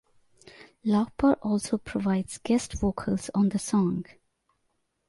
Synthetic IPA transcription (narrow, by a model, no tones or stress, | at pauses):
lapəɹʔɔlˠsoʊpʰɹ̥ɔvaɪdz̥ɡɛstvoːkʰəlˠzɔ̃n̩ðəsɔ̃ŋ